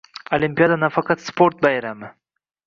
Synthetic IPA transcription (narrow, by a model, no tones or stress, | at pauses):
olimpijɑd̪anafɑqɑt̪spoɾt̪̚bajɾamɪ